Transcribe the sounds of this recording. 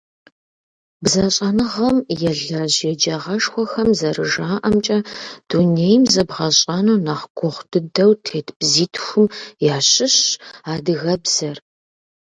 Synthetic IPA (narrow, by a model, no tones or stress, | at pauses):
bzaɕʼɐnɨʁɐmjɛɮɐʑjɛd͡ʒɐʁɐʂxʷɔxɐmzɐrɨʒaːʔɐmt͡ʃʼɐd̥unejmzɐbʁɐɕʼanuːnaχɡʷʰɔχʷdʰɨdɐwtʰeːtʰbziːtʰxʷʊmjaːɕɪɕaːdɨɣɐbz̥ɐr